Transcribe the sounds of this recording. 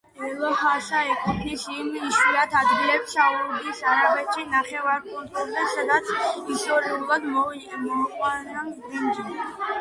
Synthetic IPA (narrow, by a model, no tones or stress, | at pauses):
ɛlˠɔhasaɛkʰut̪ʰnisimiʃwiɾat̪ʰad̪ɡilɛpst͡ʃʰauɾd̪isaɾabɛt̪ʃinaχɛvaɾpʰuɾt̪ʰʼuld̪ɛsad̪at̪sʰist̪ʼɔɾiulˠad̪mɔmɔmɔqʼwana | imd͡ʒɛ